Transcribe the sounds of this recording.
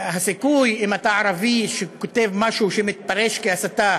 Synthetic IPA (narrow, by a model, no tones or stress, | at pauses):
ɦasikujimat̪aʕaɾaviʃekot̪evmaʃuʃemit̪̚paʁeʃkeasat̪a